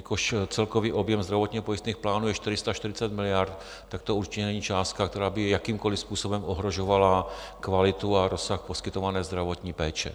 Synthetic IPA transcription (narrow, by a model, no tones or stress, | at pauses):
ikoʃt͡sɛlkoviːʔobjɛmzd̪ɾavot̪ɲiːɦɔpojist̪niːxplaːnujɛʃt̪ɪɾɪst̪aʃt̪ɪɾɪt͡sat̪mɪlɪjaɾt̪ | t̪ak̚t̪ouɾt͡ʃɪcɛnɛɲiːt͡ʃaːst̪̚kakt̪ɛɾaːbɪjakiːmkolispuːsobɛmʔoɦɾoʒovala | kvalɪt̪uaɾosaxposkɪt̪ovanɛːzd̪ɾavot̪ɲiːpɛːt͡ʃɛ̰